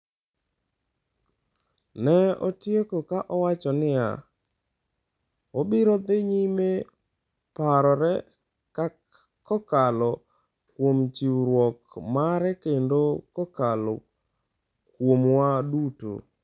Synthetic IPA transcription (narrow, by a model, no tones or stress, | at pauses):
nɛɔ̰tjekokaʔɔwat͡ʃɔnɪja̰ | obɪɾɔd̪eɲime | paɾɔɾɛ | ka | kɔkalɔ | kwomt͡ʃiwɾwɔkmaɾɛkendokɔkalɔ̰ | kwomwaduto̰